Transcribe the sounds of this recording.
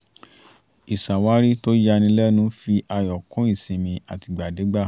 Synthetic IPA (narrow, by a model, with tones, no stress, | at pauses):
i˨sa˨wa˦ɾi˦to˦ja˧nĩ˧˦lɛ˦nũ˨˦fi˧ʔa˧jɔ˨kũ˨˦i˦˨sĩ˨mĩ˧a˨ti˨˧ɡ͡ba˨de˨˦ɡ͡ba˦˨